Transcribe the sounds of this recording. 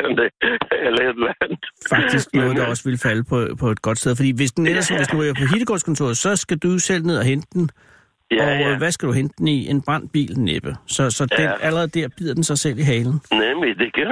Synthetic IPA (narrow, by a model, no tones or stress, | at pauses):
d̥eelɐdlæn̥fɑ̈ɡ̥̚d̥isɡ̥nɔ̽ːðˠd̥ɑ̈ɒ̽səʋe̝lfæləpʰɒ̽pʰɒ̽e̝d̥̚ɡ̥ɒ̽d̥steð̞ˠf̬ɒd̥ḭːʋe̝sd̥enelɐsnʋesd̥uiɐpʰɒ̽ɦid̥əɡ̥ɒ̰skʰɒ̽nt͡sʰo̝̰ɐsɒ̽sɡ̥æd̥usel̰ne̝ð̞ˠɐɦend̥əd̥n̩ | ɒ̽ʋæsɡ̥æd̥uɦend̥əd̥en̩iʔe̝nb̥ʁɑ̈n̰d̥̚b̥ḭːlneb̥əsɒ̽sɒ̽d̥enæləɐʁɛð̞̩ˠd̥æɐb̥ið̞̰ˠɐd̥en̩sɑ̈ɪsel̰iɦɛːln̩nemid̥ekʰ